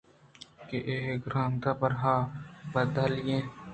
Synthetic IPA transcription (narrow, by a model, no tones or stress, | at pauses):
keʔeːkɾãːnt̪apɐɾɦaːbəd̪əlɪjẽː